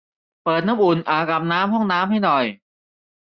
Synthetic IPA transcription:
pɤː˨˩t̪̚naː˦˥mʔu˨˩nʔaː˨˩ka˨˩p̚naː˦˥mɦɔ˥˩ŋnaː˦˥mha˥˩jnɔ˨˩j

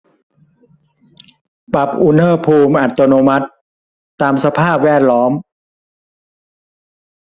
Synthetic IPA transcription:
pa˨˩p̚ʔu˧nhɤː˥˩pʰuː˧mʔa˨˩t̪ːo˧noː˧ma˦˥t̪̚ː | aː˧msa˧pʰaː˥˩p̚wɛː˥˩t̪̚lɔː˦˥m

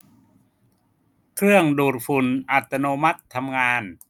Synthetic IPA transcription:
kʰɾɯ˥˩əŋduː˨˩t̪̚fu˨˩nʔa˨˩t̪ʰːa˧noː˧ma˦˥t̪ʰːa˧mŋaː˧n

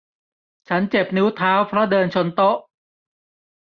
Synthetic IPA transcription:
t͡ɕʰa˦˥nt͡ɕe˨˩p̚nɯ˦˥wt̪ʰaː˦˥wpʰɾɔ˦˥dɤː˧nt͡ɕʰo˧nt̪o˦˥ʔ

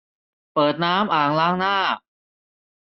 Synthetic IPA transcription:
pɤː˨˩t̪̚naː˦˥mʔaː˨˩ŋlaː˦˥˩ŋnaː˥˩

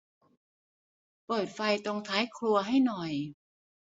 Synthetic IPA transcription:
pɤː˨˩t̪̚fa˧jt̪o˧ŋt̪ʰaː˩˦jkʰlu˧ɐɦa˥˩jnɔ˨˩j

